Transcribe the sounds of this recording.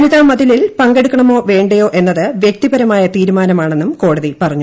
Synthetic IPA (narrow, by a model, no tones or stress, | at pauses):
niðɐmɐðililpɐŋɡeɽukʲːɐɳɐmo̞ːʋe̞ːɳɖɐjo̞ːʔe̞nːɐðɨʋjek̚t̪ibɐɾɐmaːjɐt̪iːɾumaːnɐmaːɳe̞nːumko̞ːɽɐðipɐrɐɲːu